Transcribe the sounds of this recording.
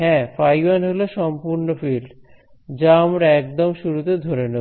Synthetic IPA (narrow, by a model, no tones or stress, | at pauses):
ɦɛ̃fajanɦoloʃɔmpuɾnofilɖ | d͡ʑamɾɛk̚d̪ɔmʃuɾut̪ed̪ʱoɾene